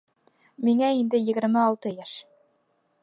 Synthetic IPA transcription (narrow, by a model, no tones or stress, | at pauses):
miŋæind̪ɘjɘ̆ɡɘ̆ɾmɘɑlˠt̪ɤjæʃ